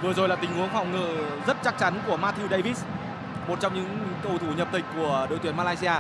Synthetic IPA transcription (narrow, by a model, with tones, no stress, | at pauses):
vɨ˨˩əzo˨˩jlaː˨˩t̪ï˩ŋʔu˨˦ənfa̰˨wŋ͡mŋɨ̰ː˧˨zə˦˥t̚t͡ɕa˦˥k̚t͡ɕa˨˦nku˧˩əmaː˧t̪ʰi˧wɗə˧jvi˦˥s | mo˨˩t̚t͡ɕɔ˧wŋ͡mɲɨ̰˧˥ŋkə˧wt̪ʰu˧˩ɲə˨˩p̚t̪ï˨˩k̟̚ku˧˩əɗə̰˧˨jt̪wənmaː˧laː˧jsi˧aː˧